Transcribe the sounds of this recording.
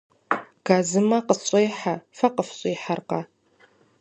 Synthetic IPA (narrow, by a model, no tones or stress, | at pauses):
ɡ̥aːzɨmɐqəɕʼejħafɐqəfɕʼiːħarqɐ